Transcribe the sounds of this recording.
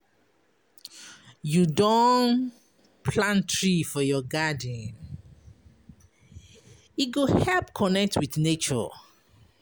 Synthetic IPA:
judɔ̃n | pʰlãntʰɹifɔjɔɡadə̃n | iɡohɛlpkʰɔnɛk̚tʰwiθnet͡ʃɔ̰

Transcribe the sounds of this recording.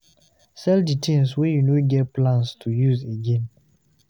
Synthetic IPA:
sɛlditʰĩmswɛjunoɡɛt̚plãnstʰujuzeɡɛ̃n

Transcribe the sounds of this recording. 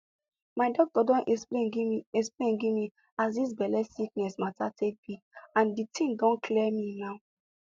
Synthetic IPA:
maɪdɔk̚tɔdɔ̃nɛleiiɛsplẽnɡimi | asdis̬bɛlɛsik̚nɛsmatatʰek̚b̥i | ãnditʰĩŋdɔ̃nkʰlɛminaʊ

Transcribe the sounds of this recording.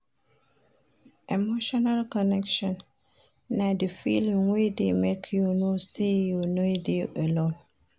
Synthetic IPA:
ʔemoʃɔnalkɔnɛkʃɔ̃n | nadəfḭlĩŋwedemekʰjunosejunodeʔəlõn

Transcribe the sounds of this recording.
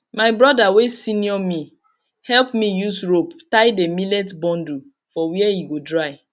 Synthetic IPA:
maɪbɹɔdawesiniɔmi | hɛlpmijusɹoptajdemilɛtbɔ̃ndu | fɔwiɛjiɡodɹaɪ

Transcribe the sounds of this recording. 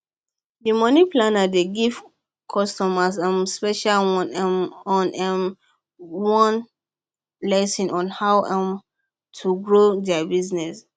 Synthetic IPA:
dimɔniplanadeɡiv | kʰɔstɔmasãmspɛʃalmɔ̃nɛm | wɔ̃n | lɛsĩnʔɔ̃nhawãm | tʰuɡɹodɛabiznɛs

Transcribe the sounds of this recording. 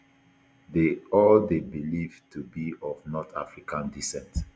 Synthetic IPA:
deɔldebilivtʰubiɔvnɔtʰa̰fɹikãndisɛ̃nt

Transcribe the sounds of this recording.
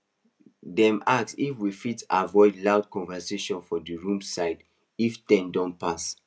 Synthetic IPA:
dɛ̃maksifwifitavɔɪdlaʊd̚kɔ̃nvɛseʃɔ̃nfɔdəɹũmsaɪd | iftɛ̃ndɔ̃npas

